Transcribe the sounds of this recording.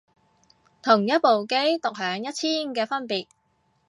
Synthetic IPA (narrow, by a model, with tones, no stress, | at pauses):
t̪ʰʊ˨˩ŋjɐ˥t̚po˨wke˥jt̪ʊ˨k̚hœː˨˥ŋjɐ˥t̚t͡sʰiː˥nkɛː˧fɐ˥npiː˨˩t̚